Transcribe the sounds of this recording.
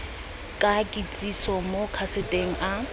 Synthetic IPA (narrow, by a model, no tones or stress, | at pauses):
kʼakʼit͡sʼisɔmokʰasɪtʼeŋ̩ʔa